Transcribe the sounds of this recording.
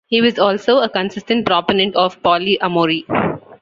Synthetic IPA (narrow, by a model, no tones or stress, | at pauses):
hiːʋɔzɔːlsoːəkə̃nsɪsʈə̃ɳʈ̚pɾɔːponɛ̃ɳʈɔːʋpɔːliʔɐmoːɾi